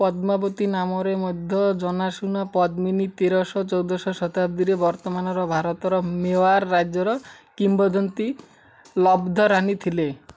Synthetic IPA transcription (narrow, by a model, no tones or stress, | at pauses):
pɔd̪mabɔt̪inamɔɾemɔd̪ʱːɔd͡ʒɔnasunɔpɔd̪minit̪eɾɔsɔt͡ʃɔwd̪ɔsɔsɔt̪abd̪iɾebɔɾt̪ɔmanɔɾɔbʱaɾɔt̪ɔɾɔmewaɾːad͡ʒjɔɾɔkimbɔd̪ʱɔnt̪i | lɔbd̪ʱɔɾanit̪ʰile